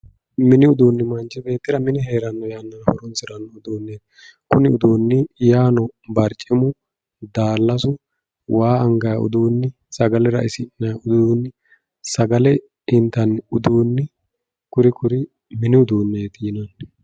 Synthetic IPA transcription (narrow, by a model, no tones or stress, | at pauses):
mɪnɪʊd̪uːnːɪmɐnd͡ʒɛbe̞ːt̪ːɪɾɐmɪnɪɦe̞ːɾɐnːɔjaːnːɐnhɔɾʊnsɪɾɐnːɔʊd̪uːnːeːt̪ | kʊnɪʊd̪uːnːɪjaːnɔbɐɾt͡ʃʼːɪmʊ | d̪aːlːɐsʊ | wʔaːɐŋɡɐjɐʊ̰d̪uːnːɪ | sɐɡɐlɛɾɐ̰ʔɪsɪnːɐjʊd̪uːnːɪ | sɐɡɐlɛ | hɪnt̪ːɐnʊd̪uːnːɪ | kʊɾɪkʊɾɪ | mɪnɪʊd̪uːnːeːt̪jɪnɐn